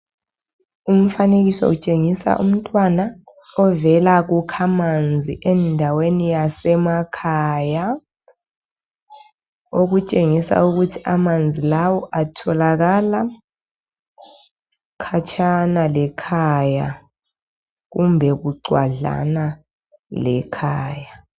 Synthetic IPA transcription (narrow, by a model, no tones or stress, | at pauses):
um̩faneɣisɔ̰ut͡ʃʼeŋisa̰ʔṵm̩tʼwana | ɔvɛlaɣukʰamand͡zʱiʔɛndʱawenijasɛmakʰaja | oɣut͡ʃʼeŋisa̰uɣutʰiamand͡zʱilawɔʔatʰɔlaɣala | kʰat͡ʃʼʰanalɛkʰaja | ɣumbʱɛɣuɡ͡ǀwa̰ɮa̰na | lɛkʰaːja